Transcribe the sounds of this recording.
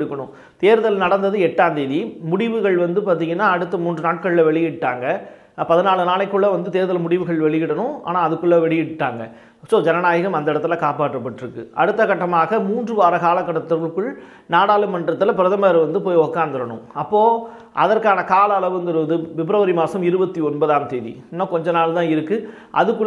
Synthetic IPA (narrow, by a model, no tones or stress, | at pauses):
ɽɯkːɐɳʊ̰̃ | t̪eːɾɯðɐlnɐɽɐnd̪ɐðɯɛʈːaːnd̪eːðimʊɽɪʋɯɣɐɭʋɐnd̪ɯpaːɾt̪̬iːŋɡɐnːaːɐɽɯt̪ːɐmuːndrɯnaːʈ̚kɐɭɪlɐʋɛɭɪjɪʈːaːŋɡɐ | pɐðɯnaːɭɯnaːɭɐɪkːɯɭːɐʋɐnd̪ɯt̪eːɾðɐlmʊɽɪʋɯɣɐɭʋɛɭɪjɪɽɐɳʊ̃a̰ːnaːɐðɯkːɯɭːɐʋɛɭɪjɪʈːaːŋɡɐ | soːd͡ʒɛnɐnaːjɐɣɐmɐnd̪ɐɪɽɐt̪ːɯlɐkaːpaːʈrɯpːɐʈːɪɾɯkːɯɐɽɯt̪ːɐkɐʈːɐmaːɣɐmuːndrɯʋaːɾɐkaːlɐkːɐɽɐt̪ːɐɾɐɭkːɯɭ | naːɽaːlɯmɐnɖrɐt̪ːɯlɐpɪɾɐðɐmɐːɾɐʋɐnd̪ɯpoːjɔkːaːnd̪ɪɾɐɳʊ̰̃ɐpːoː | ʔɐ̰ðɐrkaːnɐkaːlɐːlɐʋɯnd̪ɪɾɯʋɐðɯʋɪbɾɐʋɐɾimaːsɐmɪɾɯbɐt̪ːiɔnbɐðaːmt̪eːðḭ | nːaːkɔɲd͡ʒɐnaːɭt̪ãːɪɾɯkːɯ | ʔɐ̰ðɯkːɯ